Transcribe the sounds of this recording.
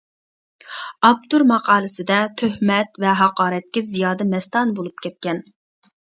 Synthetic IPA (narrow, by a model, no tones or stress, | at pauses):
ɑp̚t̪uɾmɑqɑːlˠɨsɪd̪ɛt̪ʰøhmɛt̪vɛɦɑqɑːɾɛt̪̚kʲɪzijɑːd̪ɛmɛst̪ɑnbolˠup̚kʲʰɛt̪̚kʲɛn